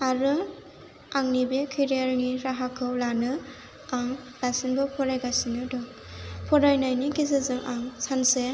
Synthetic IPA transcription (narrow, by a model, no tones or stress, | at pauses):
aɾɯ | aŋnibekʰeɾijaɾniɾaɦakʰɯwlanɯ | aŋ | lasinbɔpʰɔɾajɡasinɯdɔ | pʰɔɾajnajnikizɯzɯŋʔaŋsanse